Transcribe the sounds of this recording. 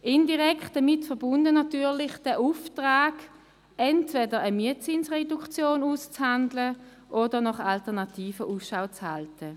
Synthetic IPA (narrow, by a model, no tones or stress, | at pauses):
ʔɪndiʁɛktd̥ɐmɪtfəɐbʊndənɑtyːɐlɪχd̥ɛʔuftʁaːɡ̥ | ɛntvɛdəʁəmiətt͡sinsʁɛdukt͡sjoːnust͡shandlə | ʔodəʁnɔχaltəɐnɑtʰiːfəʔuːsʃaʊt͡shaltʰə